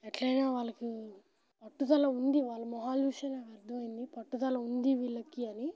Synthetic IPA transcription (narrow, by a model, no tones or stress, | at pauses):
ɛʈlɐjnaːʋaːɭɐki | pɐʈːut̪ɐlɐund̪iʋaːɭːɐmɔɦaːljuːʃeːnaːkɐɾd̪ʰʱɐmɐjind̪ipɐʈːut̪ɐlɐund̪iʋiɭːɐkiɐni